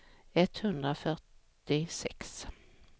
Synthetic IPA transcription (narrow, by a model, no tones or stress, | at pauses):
ɛt̪hɵnd̪ɾafœʈ | ɪsɛks